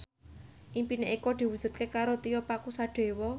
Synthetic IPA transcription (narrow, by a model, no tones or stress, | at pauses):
ʔimpineʔikɔd̪̥i̤wu̥d͡ʒ̥ṳt̪̚kekaɾot̪ijɔpakusaɖ̪̥e̤wɔ